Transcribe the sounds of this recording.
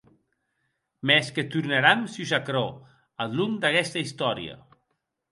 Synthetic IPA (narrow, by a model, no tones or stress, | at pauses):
mesket̪uɾnaɾamsiusakɾɔ | allumd̪akɛst̪aist̪ɔɾj̰ə̰